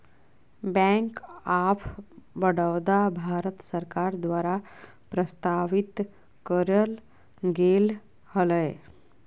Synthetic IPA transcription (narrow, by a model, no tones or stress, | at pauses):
bɛ̃ŋkapʰbəɽəʋd̪abʱaːɾət̪səɾkaɾd̪ʋaːɾa | pɾəst̪aʋit̪ | kəɾəl | ɡel | hələj